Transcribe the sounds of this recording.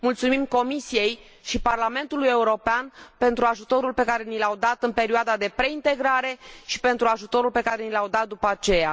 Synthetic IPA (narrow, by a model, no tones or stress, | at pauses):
mult̪sumimko̞misije̞j | ʃiparlame̞nt̪uluje̞uɾo̞peanpe̞nt̪ɾuaʒut̪o̞ɾulpe̞kaɾe̞nilawd̪at̪ɨnpe̞ɾioad̪ad̪e̞pɾe̞int̪e̞ɡɾaɾe̞ʃi̥pe̞nt̪ɾuaʒut̪o̞ɾulpe̞kaɾe̞nilawd̪at̪̚d̪upəat͡ʃe̞ja̰